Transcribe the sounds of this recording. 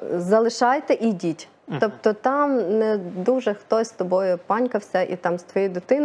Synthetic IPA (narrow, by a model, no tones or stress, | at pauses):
zɐlˠɪʃɑjt̪ɛʔidʲitʲ | t̪ɔpt̪ɔt̪ɑmnɛd̪uʒɛxt̪ɔsʲst̪ɔbɔjʊpɑnʲkɐwsʲɐʔḭt̪ɑmst̪ʋɔjijd̪ɪt̪ɪn